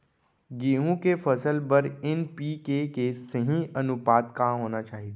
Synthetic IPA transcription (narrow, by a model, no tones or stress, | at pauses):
ɡeːɦũkefɐsəlbɐɾɪnpiːkekeːsseɦĩɐnʊpaːt̪kaɦoːnat͡ʃaːɦit̪ː